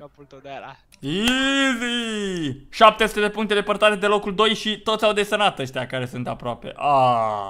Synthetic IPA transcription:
izi | ʃap̚t̪esut̪e̞d̪e̞puŋkt̪e̞d̪e̞pərt̪aɾe̞d̪e̞lo̞kuld̪o̞jʃit̪o̞t̪sʲawd̪e̞sənat̪əʃt̪eakaɾe̞sunt̪apɾoape̞̰ʔa

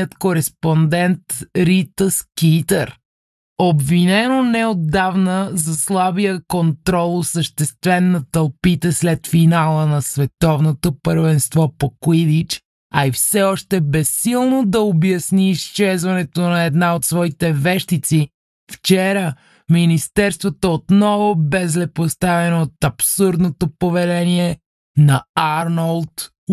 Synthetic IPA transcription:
ət̪koɾɛspond̪ɛnt̪ɾit̪əskit̪əɾ | obvinɛnonɛod̪ːavnəzɐslˠabijəkont̪ɾɔlˠosəʃt̪ɛst̪vɛnːɐt̪əlˠpit̪ɛslɛt̪finalˠənɐsvɛt̪ɔvnot̪opəɾvɛnst̪vɔpokwid̪it͡ʃ | ɐifsɛɔʃt̪ɛbɛsːilˠnod̪ɐobjɐsniːst͡ʃɛzvɐnɛt̪onɐɛd̪naot̪svɔit̪ɛvɛʃt̪it̪si | ft͡ʃɛɾə | minist̪ɛɾst̪vot̪oot̪nɔvobɛzlɛpost̪avɛnoːt̪ɐpsuɾd̪not̪opovɛlɛniɛ | nɐaɾnəlˠt̪

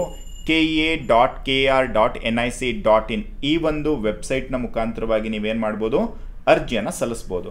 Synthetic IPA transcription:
keːeɖaːʈkeaːɾɖaːʈḛnɐjsiɖaːʈiniːʋond̪uʋe̞bsɐjʈnɐmukʰaːnt̪ɐɾɐʋaːɡiniːʋeːnmaːɖboːd̪u | ɐɾd͡ʒjɐnːɐsɐlisboːd̪u

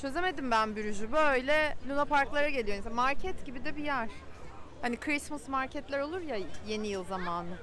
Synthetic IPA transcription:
t͡ʃʰø̞ze̞me̞d̪imbænbyɾyd͡ʒybøjlʲɛlʲunapʰaɾklˠaɾaɟe̞lʲijo̞nismaɾcʰɛt̪ɟibid̪ɛbijæɾ̥hanikʰɾismusmaɾcʰɛt̪lʲæɾo̞lˠuɾjaje̞nijɯlˠzamaːnɯ

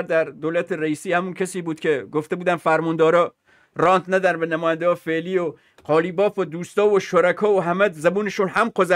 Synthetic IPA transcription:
ɾd̪æɾd̪olæt̪ʰeɾæiːsiːhæmuncʰæsiːbuːd̪̥kʲʰe̞ɡoft̪ebuːd̪ænfæɾmɔnd̪ɒːɾɒː | rɒːnt̪ʰnæd̪æɾbenæmɔːjænd̪eɡɒːfeʔliːo | qɒːliːbɒːfod̪uːst̪ɒːvoʃoɾækʰɒːoɦæmæd̪zæbuːneʃunhæmqʰozæ

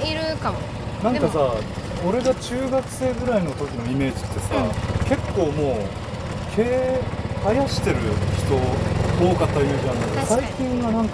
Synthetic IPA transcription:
iɾɯka | nãŋkasa | o̞ɾe̞ɡat͡ɕɨːɡakɯ̟̥se̞ːɡɯ̟ɾaino̞t̪o̞kʲino̞ime̞ːd͡ʑit̪ːe̞sake̞kːo̞ːmo̞ː | kʰeːhajaɕi̥t̪e̞ɾɯ̟çi̥t̪o̞oːkat̪ːaime̞ːʑiãnːakeosaikʲĩŋɡanãŋk

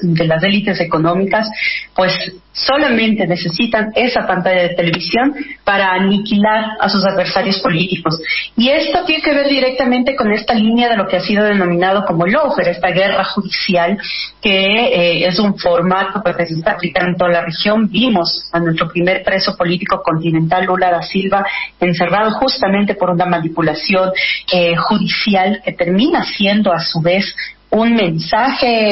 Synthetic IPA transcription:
d̪e̞las̬e̞lit̪e̞se̞ko̞nõ̞mikaspwe̞sː | o̞lamẽ̞nt̪e̞ne̞se̞sit̪ane̞sapant̪aʝað̞e̞t̪e̞le̞βisjo̞npaɾaːnikilaɾa̰sus̬aðβe̞ɾsaɾjo̞spo̞lit̪iko̞sie̞st̪ot̪jeneke̞βe̞ɾðiɾe̞k̚t̪amẽnt̪e̞ko̞ne̞st̪alinjaðe̞lo̞keasið̞o̞ð̞e̞nõ̞mĩnað̞o̞ko̞mo̞lo̞wxeɾe̞st̪aɣe̞raxuðisjalke̞esuɱfo̞ɾmat̪opwezkesest̪aplikant̪o̞lare̞xjo̞nbimo̞sanwe̞st̪ɾo̞pɾime̞ɾpɾe̞so̞po̞lit̪iko̞ko̞nt̪inẽ̞nt̪alulaðasilβae̞nse̞rað̞o̞xust̪amẽnt̪e̞po̞ɾunamanipulasjo̞nexuðisjalke̞t̪e̞ɾmĩnasje̞nd̪o̞asuβe̞s | unmẽ̞nsaxe

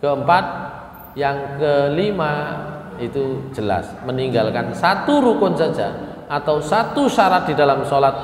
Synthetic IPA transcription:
kəəmpat̪̚ | jaŋkəlima | it̪u̥d͡ʒ̥əla̰sməniŋɡalkansat̪uɾukʊnsad̥ʒ̥a̰ | ʔat̪awsat̪usaɾat̪̚d̥̪i̤dalamsolat̪̚

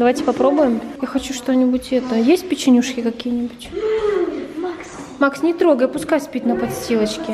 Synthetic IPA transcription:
d̪ɐvajtʲɪ̥pɐpɾo̞bʊjɪmjaxɐt͡ɕuʂt̪o̞nʲɪbʊtʲɛt̪əjesʲt̚ʲpʲɪt͡ɕɪnʲuʂkʲɪkɐkʲijnʲɪbʊtʲ | mks | maksnʲɪt̪ɾo̞ɡəjəpʊskajsʲpʲitʲnəpɐt̪sʲtʲilˠət͡ɕkʲɪ

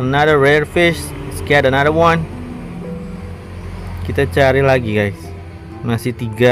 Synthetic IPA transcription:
ənaðəɹɛrfɪʃskɛdənaðəwan | kit̪at͡ʃaɾilaɡiɡajs | masɪht̪iɡa

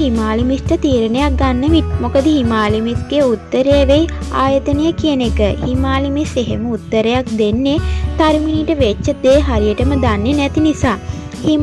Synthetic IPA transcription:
ɦimaːlimisʈət̪iːɾənejak̚ɡanːəʋiʈ̚mokəd̪əɦimaːlimisɡeut̪ːəɾəjɛʋejaːjət̪ənəjəkiənekəhimaːlimiseɦeməut̪ːəɾejak̚d̪enːet̪aɾiminiːʈəʋet͡ʃːəd̪eɦaɾijəʈəməd̪anːenɛt̪inisaː | hi

